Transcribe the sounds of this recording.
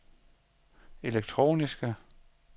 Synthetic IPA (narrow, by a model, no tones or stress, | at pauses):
e̝leɡ̥̚t͡sʰʁo̝̰ːnisɡ̥ə